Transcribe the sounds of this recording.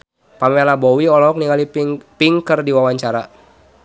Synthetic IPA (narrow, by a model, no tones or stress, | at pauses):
pamealabɔwiɔlɔɔk̚niŋalipiŋkərdiwawaɲt͡ʃaɾa